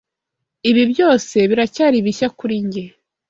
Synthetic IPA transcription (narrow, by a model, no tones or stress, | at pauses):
iβibjo̞ːse̞βiɾacaːɾiβiçakuɾiɲɟe